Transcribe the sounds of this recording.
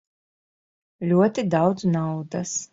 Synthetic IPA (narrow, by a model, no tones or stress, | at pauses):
lʲuɔt̪id̪awd̪znawd̪as